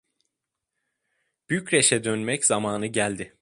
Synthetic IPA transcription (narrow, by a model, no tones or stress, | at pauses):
b̥yjycɾeʃɛd̪ønmɛcz̥amaːnɯɟælʲd̪ɪ